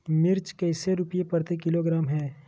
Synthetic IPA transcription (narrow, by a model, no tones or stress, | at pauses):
mɪɾt͡ʃkɛːseɾʊpijepɐɾt̪ekɪloɡɾaːmɦɛː